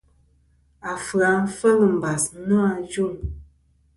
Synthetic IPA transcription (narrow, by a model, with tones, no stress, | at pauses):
a˨fə˨a˨˦fə˦lə˨m̩˨ba˨snu˦a˨˦d͡ʒu˦˨ŋ